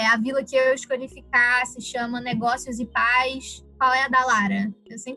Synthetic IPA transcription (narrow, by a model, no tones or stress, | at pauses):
ɛɐvilɐkɪewwiʃkoʎifikasɪʃɐ̃mɐnɛɡɔsjʊzɪpajskwawɛɐd̪alaɾɐewsẽp